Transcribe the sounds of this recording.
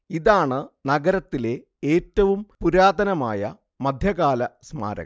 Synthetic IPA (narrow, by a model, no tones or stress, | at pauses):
iðaːɳɨnɐɡɐɾɐt̪ːile̞ | eːtːɐʋumpuɾaːd̪ɐnɐma̰ːjɐ̰ | mɐd̪ʱjɐɣaːlɐsma̰ːɾɐ̰ɣ